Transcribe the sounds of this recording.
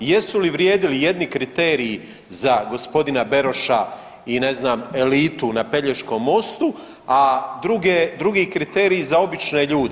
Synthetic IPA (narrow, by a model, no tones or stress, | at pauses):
je̞suliʋɾjeːd̪ilije̞d̪nikɾit̪eːɾijː | zaɡo̞spo̞d̪inabe̞ɾo̞ʃa | ine̞znaːme̞liːt̪unape̞ʎeʃko̞ːmːo̞st̪u | ad̪ɾuɡed̪ɾuɡiːkɾit̪eːɾijizao̞bit͡ʃneʎuːd̪e